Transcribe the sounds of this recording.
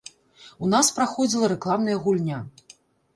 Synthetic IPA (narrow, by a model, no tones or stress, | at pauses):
unaspɾaxɔd͡zʲilˠɐɾɛklˠamnɐjɐɣulʲnʲa